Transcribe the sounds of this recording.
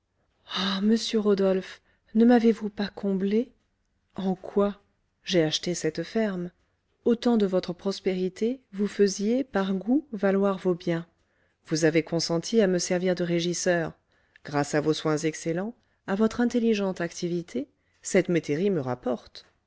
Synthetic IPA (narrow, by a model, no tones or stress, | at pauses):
aməsjøʁod̪ɔlf | nəmavevupakʰɔ̃ble | ɑ̃kwa | ʒeaʃt̪esɛt̪fɛʁm | ot̪ɑ̃d̪əvɔt̪χəpχɔspeʁit̪ʰevufəzjepaʁɡuvalwaʁvobjɛ̃ | vuzavekɔ̃sɑ̃t̪ʰiaməsɛʁviʁd̪əʁeʒisœʁ | ɡ̥ʁasavoswɛ̃zɛkselɑ̃ | avɔt̪χɛ̃t̪eliʒɑ̃t̪akt̪ivit̪ʰe | sɛt̪met̪eʁiməʁapɔʁt̪